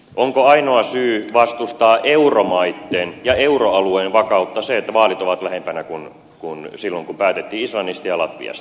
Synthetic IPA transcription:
ʔoŋkoɑinoɑsyːʋɑst̪ust̪ɑːʔeuromɑit̪ːeːnjɑeuroɑlueːnʋɑkɑut̪ːɑseet̪ːæʋɑːlit̪oʋɑt̪læhempænækun | kunsilːoŋkumpæːt̪et̪ːiːislɑnːist̪ɑjɑlɑt̪ʋḭɑ̰st̪

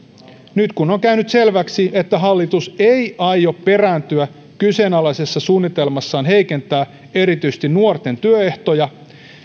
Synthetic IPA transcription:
nyt̪kunoŋkæynyt̪se̞lʋæksiet̪ːæɦɑlːit̪usejʔɑjo̞ppe̞rænt̪yæ | kyse̞ːnɑlæsesːɑsuːnːit̪e̞lmɑsːɑːnɦe̞ike̞nt̪æː | e̞ɾit̪yist̪innuort̪e̞nt̪yøe̞ht̪o̞jɑ

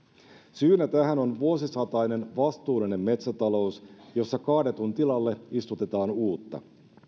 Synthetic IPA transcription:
syːnæt̪æhæno̞nʋuo̞sisɑt̪ɑjne̞nʋɑst̪uːlːine̞mːe̞t̪sæt̪ɑlo̞usjo̞sːɑkɑhde̞t̪unt̪ilɑlːe̞ist̪ut̪e̞t̪ɑːnuːt̪ːɑ̰

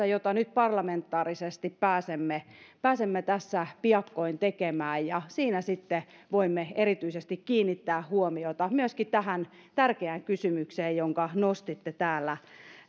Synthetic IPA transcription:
æjot̪ɑnyt̪̚pɑrlɑment̪ːɑːrisest̪ippæːsemːepæːsemːet̪æsːæpiɑkːoint̪ekemæːjjɑsiːnæsit̪ːeʋoimːeerit̪yisest̪ikkiːnːit̪ːæːhuomiot̪ɑmyøskit̪æhæn | t̪ærkeæŋkysymykseːjjoŋkɑnost̪it̪ːet̪æːlːæ

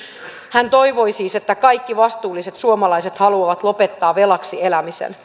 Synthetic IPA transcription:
hænt̪o̞jʋo̞jsiːse̞t̪ːækɑjkːiʋɑst̪uːlːise̞t̪suomɑlɑjse̞t̪hɑluɑʋɑt̪lo̞pe̞t̪ːɑːʋe̞lɑksie̞læmisḛn

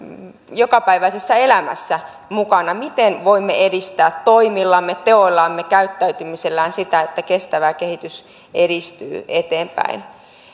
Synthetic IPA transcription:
jokɑpæiʋæisesːæe̞læmæ̰sːæ | mukɑnɑmit̪enʋoimːḛedist̪æːt̪toimilːɑmːet̪eoilːɑmːekæyt̪ːæyt̪ymiselːæːnsit̪æet̪ːækest̪æʋækehit̪ys | eɾist̪y̰ːet̪eːmpæ̰in

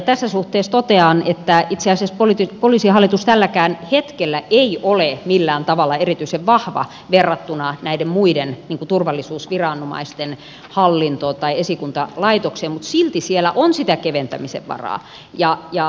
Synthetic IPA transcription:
t̪æsːæsuht̪eːst̪ot̪eɑnet̪ːæit̪seɑˑsiæspolit̪ipoliˑsihɑlːˑit̪ust̪ælːækæːnhet̪kelːæʔeiʔolemilːæːnt̪ɑʋɑlːɑerit̪yiseʋʋɑhʋɑ̰ | ʋerːɑt̪ːunɑnæidemmuidenniːŋkut̪urʋɑlːisuːsʋirɑˑnumɑ̰ist̪en | hɑlːint̪oːt̪ɑiesikunt̪ɑlɑit̪okseːmmut̪silt̪isielæʔonsit̪ækeʋent̪æmisḛʋʋɑ̰rɑ̰ː | jɑjɑ

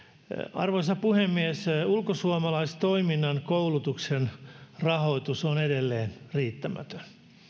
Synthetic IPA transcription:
ɑ̰rʋoisɑpuhemːiesulkosuomɑlɑist̪oiminːɑnkoulut̪uksenrɑhoit̪usonedelːeːnriːt̪ːæmæ̰t̪ø̥n

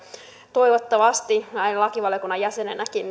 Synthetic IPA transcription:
t̪oiʋot̪ːɑʋɑst̪iɑinlɑkiʋɑljokunːɑjæsenenækin

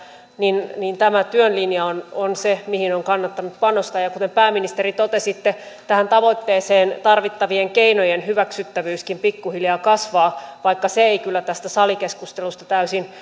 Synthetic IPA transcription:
ninnint̪æmæt̪yønlinjɑononsemihinoŋkɑnːɑt̪ːɑnut̪pɑnost̪ɑːjɑkut̪empæːmːinist̪eɾit̪ot̪esit̪ːe | t̪æhænt̪ɑʋo̞it̪ːeːseːnt̪ɑrʋit̪ːɑʋieŋkeinojenhyʋæksyt̪ːæʋyːskimpikːuhiljɑːkɑsʋɑːʋɑikːɑseeikylːæt̪æst̪æsɑlikeskust̪elust̪ɑt̪æysin

